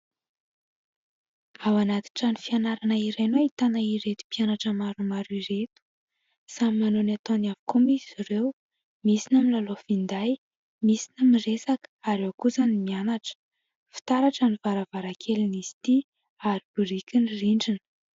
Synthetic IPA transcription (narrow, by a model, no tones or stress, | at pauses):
awanat̪i̥ʈ͡ʂanifianaɾanaiɾejnoit̪anaiɾet̪u̥pianaʈ͡ʂəmaɾumaɾuiɾet̪u̥ | samimanonat̪onavi̥komiz̥iɾew | misinəmilalofind̪aj | misi̥nəmiresakə̥aɾewakuzanimianaʈ͡ʂə̥ | fi̥t̪aɾaʈ͡ʂanivaɾavaɾakʰeliniz̥i̥t̪i | aɾib̥uɾikʲiniriɳɖ͡ʐinə̥